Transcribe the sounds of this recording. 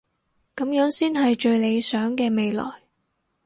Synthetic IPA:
kɐ˨˧˥mjœː˨˥ŋsiː˥nɦɐ˨jt͡ʃɵ˧ɥle˨˧jsœː˨˥ŋkɛː˧me˨˧jlɔ̰ː˨˩j

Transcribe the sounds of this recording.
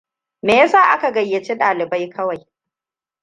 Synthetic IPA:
meː˨ja˦saː˦˨ʔa˦ka˨ɡɐ˨jːɐ˨t͡ʃe˦ɗaː˨lɪ˨ba˦jkʰɐ˦wa˨j

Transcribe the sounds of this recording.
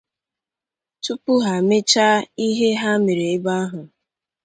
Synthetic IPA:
tu˦pʊ˦ɦa˨me˦t͡ʃa˦i˦ɦe˦ɦa˦me˨ɾe˨ɪ˦ba˦a˦ɦʊ˨

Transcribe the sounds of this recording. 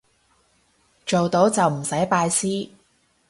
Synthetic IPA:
t͡ʃo˨wt̪o˨˥wt͡sɐ˨wm̩˨˩sɐ˨˥jpaː˧jsiː˥

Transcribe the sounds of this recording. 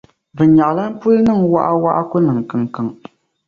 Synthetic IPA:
bɨ˨ɲa˨ʔla˦n̩˦pu˦nɨ˦ŋwa̰˦ʔa˦wa˦ʔa̰˦kʊ˦nɨ˨ŋ˨kɨ˨ŋ˨kɨ˨ŋ

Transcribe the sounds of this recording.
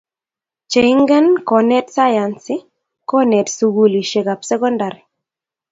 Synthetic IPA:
t͡ʃe˨i˦ŋɡɛ˦nkɔ˨nɛ˦tsa˦ja˨nsɪ˦ | kɔ˦nɛ˨tsu˨ɡu˨li˨ʃe˨ka˨psɛ˦kɔ˦nda˨ɾi˨

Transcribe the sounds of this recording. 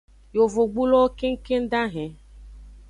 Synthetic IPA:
jo˨vo˨ɡ͡bu˦lɔ˦ke˦ŋ̩˦ke˦n̩˦da˦ɦɛ̃˨

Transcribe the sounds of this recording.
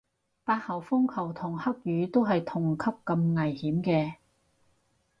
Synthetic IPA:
paː˧t̚hɐ˨˩wfʊ˥ŋkʰɐ˨˩wt̪ʰʊ˨˩ŋhɐ˥k̚jyː˨˧˥t̪o˥wɦɐ˨jt̪ʰʊ˨˩ŋkʰɐ˥p̚kɐ˧mŋɐ˨˩jhiː˨˥mkɛː˧

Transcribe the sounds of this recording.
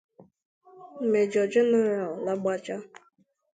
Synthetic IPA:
me˨d͡ʒɔ˨d͡ʒʊ˦na˦ɾa˨ɔ˨la˦ɡ͡ba˦t͡ʃa˦

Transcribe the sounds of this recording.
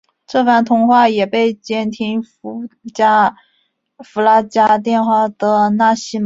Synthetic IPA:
ʈ͡ʂɤ˥˧fa˥˩nt̪ʰʊ˧˥ŋxwa˥˩jɛ˨˩pe˥˩ɪt͡ɕjɛ˥nt̪ʰi˥ŋ˧˥ | t͡ɕa˥ | fu˧˥la˥t͡ɕja˥t̪jɛ˥˧nxwa˥˩d̪ə˩na˥˩ɕi˥˩m

